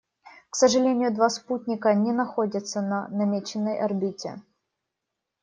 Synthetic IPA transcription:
ksəʐɨlʲenʲɪjʊd̪vasputʲnʲɪkənʲɪnɐxodʲɪt̪sənɐnɐmʲet͡ɕɪnːəjʔɐrbʲitʲɪ̰

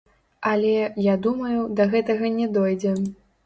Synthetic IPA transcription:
ɐlʲɛjad̪umɐjud̪ɐɣɛt̪ɐɣɐnʲɛd̪ɔjd͡zʲɛ

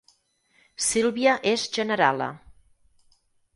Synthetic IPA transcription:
silˠβiəʔezʒənəɾa̰lə̰

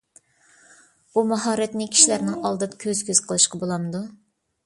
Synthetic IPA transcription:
umɑɦɑːɾɛt̪nɪkʲʰi̥ʃilæɾnɪŋɑlˠd̪ɨd̪kʲʰøzkʲøz̥qʰəlˠɨʃqʰɑbolˠɑmɨd̪u

